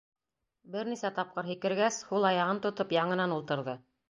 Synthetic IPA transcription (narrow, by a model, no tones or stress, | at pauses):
bɘɾnisæt̪ɑp̚qɤɾɦikɘ̆ɾɡæshulˠɑjɑʁɤnt̪ŏt̪ɤpjɑɴɤ̆nɑnulˠt̪ɤ̆ɾðɤ